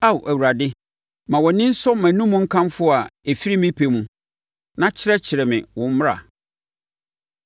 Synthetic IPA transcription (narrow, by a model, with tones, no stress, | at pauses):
a˦wʔæ˨wu˨ɾa˨dɪ˦ | mã˨wɔ˨nɪ̃˦n̩˦sɔ˦mæ̃˨nũ˦mũ˦ŋ̩˦kʰã˦mfʊ˦˨a˨e˨fi˦ɾi˦mɪ̃˦pʰe˨mũ˨ | nã˦t͡ɕʰɪ˦ɾɛ˦t͡ɕʰɪ˨ɾɛ˨mɪ̰̃˨wʊ̃˦m̩˦m˦ɾa̰˨